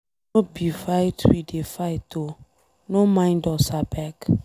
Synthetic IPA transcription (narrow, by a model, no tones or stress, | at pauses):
obifajtʰwidefajto | nomãɪ̃ndɔsabɛk